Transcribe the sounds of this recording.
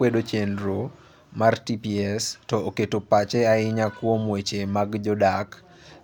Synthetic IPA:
wedot͡ʃendɾo | martipiɛstɔoketopat͡ʃɛaɪɲakwomwet͡ʃemaɡd͡ʒɔdak

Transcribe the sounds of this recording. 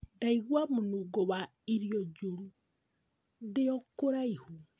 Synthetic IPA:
daiɣwamonoɡɔwa | iɾiɔd͡ʒoɾu | deɔkoɾaihu

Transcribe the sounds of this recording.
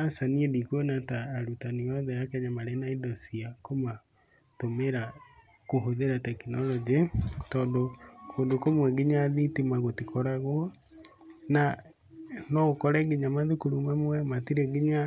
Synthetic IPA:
asaniedikwonataːɾutaniɔðɛakɛɲamaɾenaidɔsiakoma | tomeɾa | koɦoðeɾatɛkinɔlɔd͡ʒitɔːndokʰoːndokomwɛɡiɲaːðitimaɣotikɔɾaɣwɔ | na | nɔokɔɾɛɡeɲamaðekoɾumamwɛmatiɾɛɡiɲa

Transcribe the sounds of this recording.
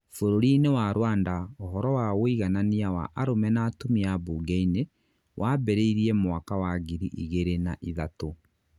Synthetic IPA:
foɾoɾinewaːɾwaːndaoɦɔɾɔwaɣoiɣananiawa̰ʔaɾomɛnaːtomiaboːɡɛine | wʔaːbɛɾeiɾiɛmwakawaɣiɾiʔiɣeɾenaʔiðato

